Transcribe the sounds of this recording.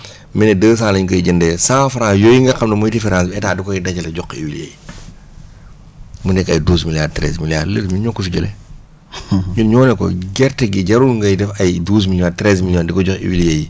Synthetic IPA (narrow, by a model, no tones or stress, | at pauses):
mɛnɛdəːs̬ãːlɐɲkɔjiɟəndɛːsãːfɾãːjɔjiŋɡɐxɐmnɐmɔjtifɛɾãnsɛtaːdikɔjidɐcɐlɐɟɔkːḭwiljɐ̰j | munɛkːɐjduːs̬miljaːd̚tɾɛ̰smiljaːdləɾmiɲɔkːɔfiɟɐlɛ | ɲuɲɔːnɛkɔ̰ɡɛɾtɛɡiɟɐɾulŋɡɐjdɛfɐjduːs̬miljaːtɾɛs̬miljɔːndikɔɟɔkḭwiljɐji